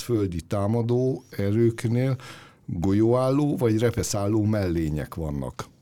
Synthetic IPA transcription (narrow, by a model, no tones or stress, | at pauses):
føld̪it̪aːmɒd̪oːɛɾøːkneːl | ɡojoːaːlːoːvɒɟrɛpɛsaːlːoːmɛlːeːɲɛ̰kʋɒ̰nːɒ̰k